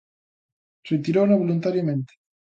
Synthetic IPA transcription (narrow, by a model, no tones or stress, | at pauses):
ret̪iɾonaβolunt̪aɾjamẽnt̪e̥